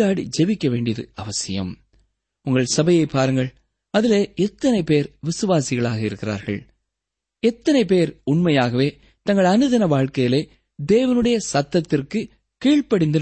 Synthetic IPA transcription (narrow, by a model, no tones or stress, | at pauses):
aːɽḭd͡ʒɛʋɪkːɐʋeːɳɖɪjɐðɯ̰ɐʋɐsɪjɐ̰m | ʊŋɡɐɭsɐbɐjɐɪpːaːɾɯŋɡɐɭ | ɐðɪleːɛt̪ːɐnɐɪpeːɾʋɪsɯʋaːsɪɣɐɭaːɣɐɪɾɯkːɪra̰ːɾɣɐ̰ɭ | ɛt̪ːɐnɐɪpeːɾʊɳmɐjaːɣɐʋeː | t̪ɐŋɡɐɭɐnɯðɐnɐʋaːɻkɐjɪleː | d̪eːʋɐnɯɽɐjɐsɐt̪ːɐt̪ːɪrkɯ | kiːɭpɐɽɪnd̪ɯ